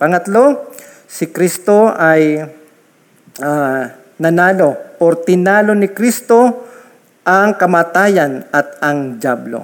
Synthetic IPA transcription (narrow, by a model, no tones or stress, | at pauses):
pɐŋɐt̪lo̞ | sɪkɾist̪o̞ʔɐj | a | nɐnaːlo̞oɾt̪ɪnaːlo̞nɪkɾist̪o̞ | ʔɐŋkɐmaːt̪aːjɐnɐt̪̚ɐŋd͡ʒablo̰